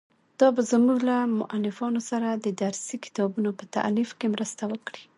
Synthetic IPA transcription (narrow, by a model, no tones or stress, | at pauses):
d̪̥ɑbazmuɡlamʊ̰ʔalːɪfɑnosaɾad̪əd̪aɾsikɪ̥t̪ɑbunopət̪a̰ʔlifkemɾəst̪awəkɽi̥